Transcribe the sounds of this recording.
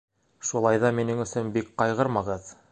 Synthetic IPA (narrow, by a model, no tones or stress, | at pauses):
ʃulˠɑjðɑminɘŋɵ̆sɵnbik̚qɑjʁɤɾmɑʁɤð